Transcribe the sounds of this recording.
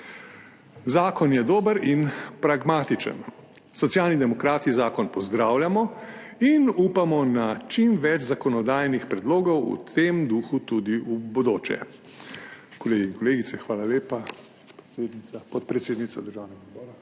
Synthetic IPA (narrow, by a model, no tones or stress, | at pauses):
zaːkɔnjɛd̪oːbəɾinpɾaɡmaːt̪it͡ʃə̰n | sɔt̪sjaːlnid̪ɛmɔkɾaːt̪izaːkɔnpɔzd̪ɾaːwljamɔ | inuːpamɔnat͡ʃimʋɛt͡ʃzakɔnɔd̪aːjnixpɾɛd̪loːɡɔwṵt̪ʰemd̪uxut̪ud̪iubɔd̪oːt͡ʃɛ̰ | kɔleːɡiiŋkɔleːɡisɛxʋaːlaleːpa | ed̪niapɔt̪̚pɾɛt̪seːd̪nit̪sɔd̪əɾʒaːwnɛɡaɔd̪bɔːɾa